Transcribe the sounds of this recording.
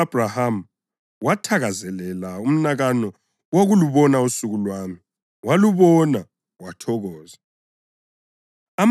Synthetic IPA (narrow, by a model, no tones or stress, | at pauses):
ab̥ʱraham̩ | watʰaɣazɛlɛlaum̩naɣanɔ | woɣuluβɔnausuɣulwaːmi | waluβɔna | watʰɔɣɔːza | am